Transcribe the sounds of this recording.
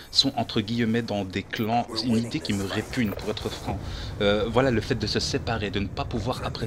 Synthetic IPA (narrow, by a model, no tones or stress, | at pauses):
sɔ̃ʔɑ̃t̪χəɡʲijmɛd̪ɑ̃d̪eklɑ̃ynid̪ekʲiməʁepynpuʁɛt̪χəfχɑ̃øvwalaləfɛt̪̚d̪əsəsepaʁed̪ənəpapuvwaʁapχe